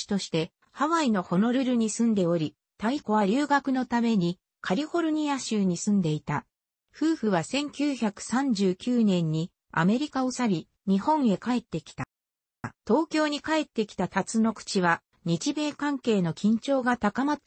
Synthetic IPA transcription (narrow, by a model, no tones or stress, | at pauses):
i̥t̪o̞ɕi̥t̪e̞ | haβaino̞ho̞no̞ɾɯ̟ɾɯ̟ɲ̟isɨ̃nd̪e̞o̞ɾʲi | t̪aiko̞βaɾʲɯːɡakɯ̟no̞t̪ame̞ɲ̟i | kʰaɾʲiho̞ɾɯ̟ɲ̟iaɕɨːɲ̟isɨ̃nd̪e̞it̪a | ɸɯ̟ːɸɯ̟βasẽ̞ŋkʲɨːçakɯ̟̥sãɲ̟d͡ʑɨːkʲɨːnẽ̞ɲ̟ːi | a̰me̞ɾʲikaosabʲi | ɲ̟ihõ̞ɰ̃e̞kae̞t̪ːe̞kʲi̥t̪a | t̪o̞ːkʲo̞ːɲ̟ikae̞t̪ːe̞kʲi̥t̪at̪at͡sɨno̞kɯ̟̥t͡ɕiβa | ɲ̟it͡ɕibe̞ːkãŋke̞ːno̞kʲʰĩɲ̟t͡ɕo̞ːɡat̪akama